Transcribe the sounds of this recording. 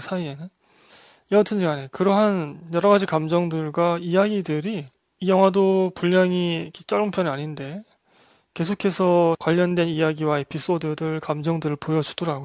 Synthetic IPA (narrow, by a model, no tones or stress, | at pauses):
sʰaienɯn | iʌtʰɯnd͡ʑiɡanekɯɾʌɦanjʌɾʌɡad͡ʑikamd͡ʑʌŋdɯɭɡwaijaɡidɯɾiː | jʌŋɦwadopuʎɲaŋikʰet͡ɕ͈ʌɭumpʰjʌnɯaɲinde̞ | ke̞sʰokʰe̞sʰʌkwaʎːʌndwe̞nijaɡiwaepis͈odɯdɯɭkamd͡ʑʌŋdɯɾɯɭpojʌd͡ʑudʌɾaɡo